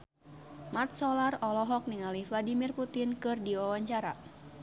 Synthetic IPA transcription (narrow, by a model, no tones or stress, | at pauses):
mart̪̚sɔlarɔlɔɦɔk̚niŋalihfladimirput̪ɪnkɨrdiɔwaɲt͡ʃaɾa